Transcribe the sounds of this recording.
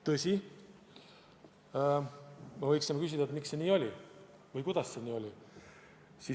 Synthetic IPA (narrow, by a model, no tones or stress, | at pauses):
t̪ɤsʲi | mɑvɤjksinmɑkys̬ʲid̪̥ɑet̪mikse̞niːo̞lʲi | vɤjkud̪̥ɑsːe̞niːo̞lʲi | si